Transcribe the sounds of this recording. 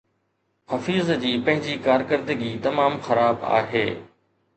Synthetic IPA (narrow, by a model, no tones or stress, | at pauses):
xɐfiːzd͡ʑiːpɐ̃ɦɪ̃ɲd͡ʑikaːɾkəɾd̪əɡiːt̪ɐmaːmxɐɾaːba̰ːɦḛː